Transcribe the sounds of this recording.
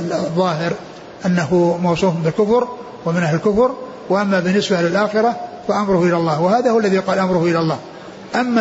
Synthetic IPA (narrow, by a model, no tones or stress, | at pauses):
ðˤːɑːɦɪɾ | ʔanːahʊmɑwsˤuːmbɪlkʊfɾ | wamɪnʔahlɪlkʊfɾ | waʔamːabɪnːɪsbalɪlʔaːxɪɾˤɑ | faʔamɾʊhʊʔɪlalˤːɑːhwahaːðahʊwalːaðiqɑːlʔamɾʊhʊʔɪlalˤːɑːh | ʔamːa